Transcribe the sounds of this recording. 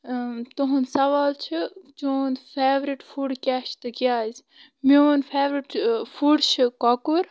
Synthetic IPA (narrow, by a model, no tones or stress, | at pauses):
t̪uɦunsɐʋaːlt͡ʃʰit͡ʃoːnfʰeːʋɾiʈfuːɽkʲaːʃt̪ɨkiaːzʲ | mionfʰeːʋɾiʈfuːɽt͡ʃʰikɔkuɾ